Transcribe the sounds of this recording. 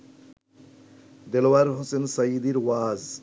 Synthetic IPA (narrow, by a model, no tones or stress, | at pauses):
d̪ɛlwaɾɦʊsensajid̪iɾwaːz